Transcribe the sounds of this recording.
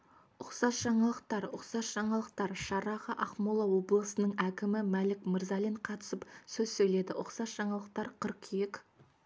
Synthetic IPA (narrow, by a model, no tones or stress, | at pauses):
ʊqsɑsʒ̥ɑɴɑlˠəq̚t̪ɑɾʊqsɑsʒ̥ɑɴɑlˠəq̚t̪ɑɾʃɑɾɑʁəʔɑχmolˠɑwo̞blˠəsənəɴækʲɪmɪmælɪkmɪɾzɑlʲeɴqʰɑt̪ə̥səpsɵzsɵjle̞d̪ɪʔʊqsɑsʒ̥ɑɴɑlˠəq̚t̪ɑɾqʰəɾqek